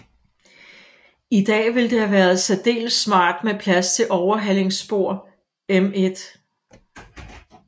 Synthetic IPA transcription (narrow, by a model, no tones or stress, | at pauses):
id̥ɛ̰ːʋe̝ld̥e̝hæʋæːɐð̞̩ˠsæd̥e̝̰ːlsmɑ̰̈ːd̥mepʰlæst͡sʰe̝lʔɒʊɐɦæl̰e̝ŋsb̥o̝ɐ̰ | eme̝d̥